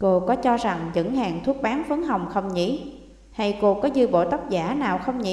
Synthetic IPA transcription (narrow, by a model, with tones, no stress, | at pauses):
ko˧kɔ˨˦t͡ɕɔ˧za˨˩ŋzɨ̰˧˥ŋhaː˨˩ŋt̪ʰu˦˥ət̚ɓaː˨˦nfɨ˨˦əŋɦa˨˩wŋ͡mxə˧wŋ͡mɲḭ˧˥ | ha˧jko˧kɔ˨˦zɨ˧jɓo̰˧˨t̪ə˦˥t̚zaː˧˩naː˨˩wxə˧wŋ͡mɲḭ˧˦